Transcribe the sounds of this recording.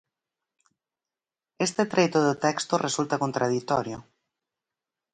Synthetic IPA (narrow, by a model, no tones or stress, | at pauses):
est̪et̪ɾejt̪ʊðʊt̪ɛkst̪ʊrʔesult̪ɐkont̪ɾað̞it̪ɔɾjo